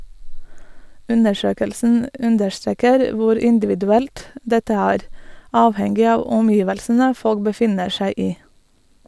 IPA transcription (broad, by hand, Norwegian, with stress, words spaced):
ˈʉnəˌʃøːkəlsn̩ ˈʉndəʃˌtɾeːkəɾ ˈʋʊɾ ɪnˌdɪʋɪdʉˈɛlt ˈdɛtə ˈæːɾ ˈɑːʋhɛŋɡɪ ˈɑːʋ ɔmˈjiːʋəlsnə ˈfɔɽɡ bəˈfɪnəɾ ˈʃæɪ ˈiː